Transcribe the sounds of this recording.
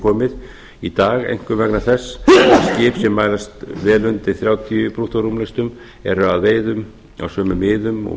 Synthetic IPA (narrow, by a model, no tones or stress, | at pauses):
kʰɔːmɪð | it̪aːɣḛjŋ̥kʏvɛknaθɛsːascɪːpsjɛmːaːjlast̪vɛːlʏnt̪ɪɾθɾjawt̪ʰiʏpɾuht̪oɾumlɛjst̪ʏm | ɛ̰ɾʏaðveːjðʏm | a̰wsœːmʏmɪːðʏmɔ̰